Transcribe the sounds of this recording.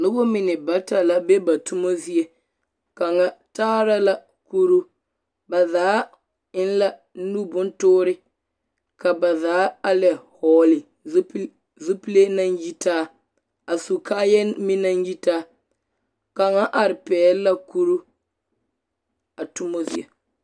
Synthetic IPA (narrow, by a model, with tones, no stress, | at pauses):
lʊ˦bo˦mɪ˨nɪ˨ba˦ta˨la˦be˦ba˨tʊ˦mo˦zi˦e˦ | ka˨ŋa˦taː˦ɾa˦la˦ | ku˦ɾu˦ | ba˨zaː˨˦ | ɪ˦n˦la˦ | nu˦bʊ˦n˦tʊː˦ɾɪ˦ | ka˨ba˨zaː˨˦a˦lɛ˨hɔː˨lɪ˨ | z | zu˦pi˦le˦na˦n˦ji˦taː˦ | a˨su˨kaː˦jɛ˦mɪ˦na˦n˦ji˦taː˦ | ka˨ŋa˦ʔa˨ɾɪ˨pɛː˨˦la˦ku˦ɾu˦ | a˨tu˦mo˦zi˦ɛ˨